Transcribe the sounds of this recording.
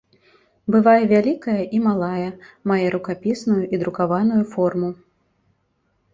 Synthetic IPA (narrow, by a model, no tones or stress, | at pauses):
bɨvajɛvʲalʲikɐjɐʔimalˠajɐmajɛɾukapʲisnujuʔid̪ɾukavanujufɔrmu